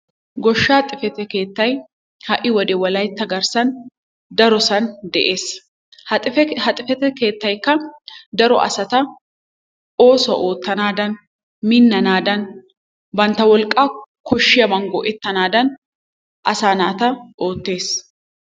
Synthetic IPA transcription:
ɡɔʃːaːt̪ʼɪfɛt̪ɛke̞ːt̪ːɐj | hɐʔɪwɔd̪ɛwɐlɐjt̪ːɐɡɐɾsɐn | d̪ɐɾɔsɐnd̪ɛʔeːsʼ | ɛhɐt̪ʼɪfɛt̪ɛke̞ːt̪ːɐjkːɐd̪ɐɾɔ̰ʔɐ̰sɐt̪ɐ | ʔo̞ːsɐ̰ʔo̞ːt̪ːɐnaːd̪ɐn | minːɐnaːd̪ɐn | bɐnt̪ɐwɔlkʼːaːkɔʃːɪjɐmɐŋɡɔʔɛt̪ːɐnaːd̪ɐn | ʔɐsaːnaːt̪ɐʔo̞ːt̪ːe̞ːs

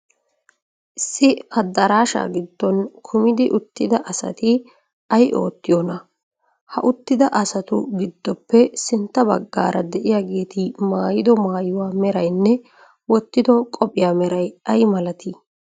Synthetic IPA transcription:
ʔɪsːɪɐd̪ːɐɾaːʃa̰ːɡɪd̪ːɔnkʰʊmɪd̪ɪʔʊt̪ːɪd̪ɐʔɐsɐ̰t̪ɪ | ʔɐjʔo̞ːt̪ːɪjɔnɐ | hɐ̰ʔʊt̪ːɪd̪ɐʔɐsɐt̪ʊɡɪd̪ːɔpːɛsɪnt̪ːɐbɐɡːa̰ːɾʔɐd̪ɛʔɪjaːɡe̞ːt̪ɪmaːjɪd̪ɔmaːjʊwaːmɛɾɐjnːɛ | wɔt̪ːɪd̪ɔkʼɔpʼɪjaːmɛɾɐjɐjmɐlɐt̪ɪ

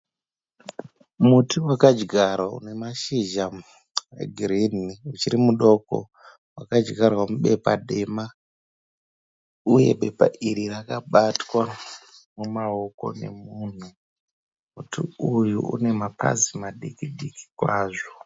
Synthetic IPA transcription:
mutiwakad͡ʒɡʱaɾaṵne̞maʃiʒa | ḛɡʱiriniut͡ʃiɾimuɗo̞ko̰ | wakad͡ʒɡʱarwamuɓe̞paɗe̞ma | uje̞̰ɓe̞pa̰iɾirakaɓatwa | mumao̞ko̞̰ne̞̰mun̤u | mutḭujṵṵne̞mapa̰zimaɗikiɗiki̥kwaːʐo

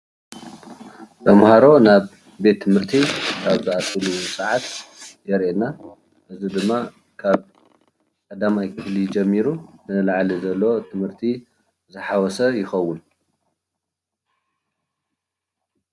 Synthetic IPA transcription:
bɐmhaɾo̞naβ | be̞t̪ʰːɨmhɨɾt̪ʰikʰaβzɨat̪ʼɨlusʼɨʕat̪jɛɾʔena | ʔɨzid̪ɨmːa | kʰaβ | kʼɐd̪amajkʰɨflid͡ʒɛmːiɾunɨlaʕlizɐlːowot̪ʰɨmhɨɾt̪ʰi | zɨħawɔsɐjɪxɐwːun

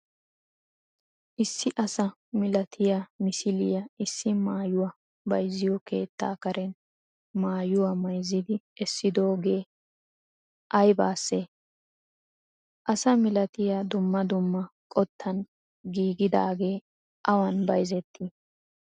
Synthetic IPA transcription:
ʔɪsːɪʔɐsɐ | mɪlɐt̪ʰɪjamɪsɪlɪjɐʔɪsːɪmaːjʊwɐ | bɐjzːɪjɔke̞̰ːt̪ːa̰ːkɐɾɛn | maːjʊwɐmɐjzːɪd̪ɪɛsːɪd̪o̞ːɡe̞ː | ʔɐjbaːsːeː | ʔɐsɐmɪlɐt̪ɪjad̪ʊmːɐd̪ʊmːɐkʼɔt̪ʰːɐn | ɡiːɡɪd̪aːɡe̞ː | ʔɐwɐnbɐjzɛt̪ʰːi

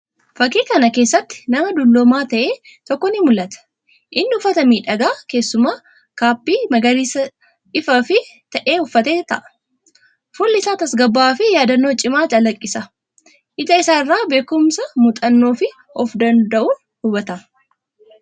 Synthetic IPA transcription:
fɐkiːkɐnɐke̞ːsːɐt̪ːɪ̥nɐmɐd̪ʊlːomaːt̪ɐʔeː | t̪ɔkːɔnɪmʊlːɐt̪ɐ̥ | ʔɪnːɪʊfɐt̪ɐmiːᶑɐɡaːke̞ːsːʊmaː | kaːpːiːmɐɡɐɾiːsɐ | ɪfɐfɪt̪ɐʔe̞ːʊfːɐt̪eːt̪ɐʔɐ̥ | fʊlːɪsaːt̪ɐsɡɐbːaːfɪjaːd̪ɐnːo̞ːt͡ʃʼɪmaːt͡ʃɐlɐkʼːɪsɐ | ʔɪt̪ɐɪsaːɪrːaːbe̞ːkʊmsɐmʊt̪ʼɐnːo̞ːfɪ | ɔfd̪ɐnd̪ɐʔuːn | hʊbɐt̪ɐ

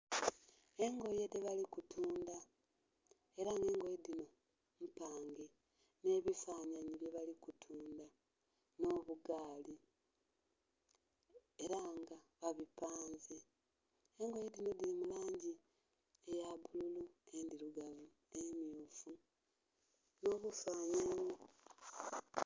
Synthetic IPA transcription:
e̞ŋɡo̞je̞deβalikutʰuːnda | e̞ɾaŋɡe̞ːŋɡo̞jedino̞ | mupaːŋɡe̞ | ne̞ːβifaːɲaɲiβje̞βalikutʰuːnda | no̞βuɡaːli | eɾaŋɡaβaβipaːnze | eŋɡo̞jedino̞dilimulaːɲɟi | ejaβululue̞ndiɾuɡavu | emjuːfu | no̞ːβufaːɲaɲo

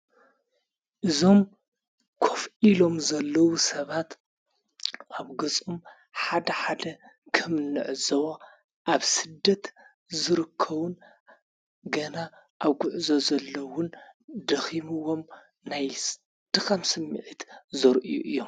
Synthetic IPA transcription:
ʔɨzo̞m | kʰofilo̞mzɐlːɐwusɐβat̪ | ʔaβɡɐt͡sʼom | ħad̪ɐħad̪ɐkʰɨmɨnːɨʕɨzɐwo | ʔaβsɨd̪ːɐt̪ | zɨɾɨkʰːɐβun | ɡɐna | ʔaβɡʊʕzo̞zɐlːɐwʊnd̪ɐximɨwo̞m | naj | d̪̥ɨxʼɐmsɨmːɨʕit̪zɐɾʔijṵʔɨjːo̞m

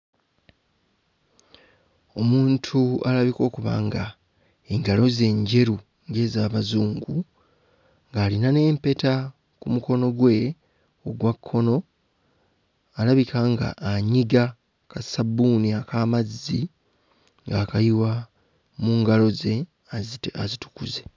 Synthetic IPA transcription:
o̞muːntʰualaβiko̞ːkuβa̰ŋɡa | eŋɡalo̞ze̞ːɲɟe̞ɾu | ŋɡe̞ːzaːβazuːŋɡu | ŋɡaːlinane̞ːmpe̞ta | kumuko̞no̞ɡwe̞ | o̞ɡwakʰːo̞no̞ | alaβikaŋɡa̰ʔːɲiɡa | kasabuniakaːmazːi | ŋɡaːkajiwa | muŋɡalo̞ze̞ | azta̰zitu̥kuze̞

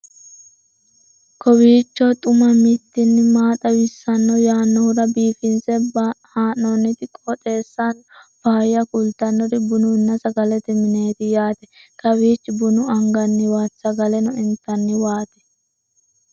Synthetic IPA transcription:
kɔwiːt͡ʃːɔt̪ʼʊmɐmit̪ːɪnːɪmaːt̪ɐwɪsːɐnːɔjaːnːɔhʊɾɐbiːfɪnsɛhaːnːɔnːɪt̪ɪkʼɔt̪ʼeːsːanb̥aːjːɐkʊlt̪ɐnːɔɾɪbʊnʊnːɐsɐɡɐlɛt̪ɛmɪneːt̪ɪjaːt̪ɛkɐwiːt͡ʃːɪbʊnʊɐŋɡɐnːɪwaːsɐɡɐlɛnɔɪnt̪ːɐnːɪwaːt̪ɛ̥

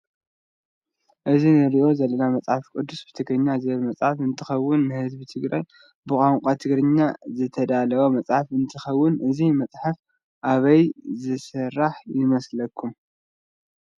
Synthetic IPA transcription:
ʔɨzinɨɾiʔo̞zɐlɐnamɐt͡sʼħafkʼɨd̪ːusbɨt̪ʰɨɡɾɨɲːazɨβɐlmɐt͡sʼħafɨnt̪ʰɨxɐwːʊnːɨhɨzbit̪ʰɨɡɾaj | bɨkʼaŋkʷʼat̪ʰɨɡɾɨɲːazɨt̪ʰɐd̪alɐwomɐt͡sʼħafɨnt̪ʰɨxɐwːʊnʔɨzimɐt͡sʼħaf | ʔaβɐjzɨsɨɾːaħjɪmɐslɐkʰːum

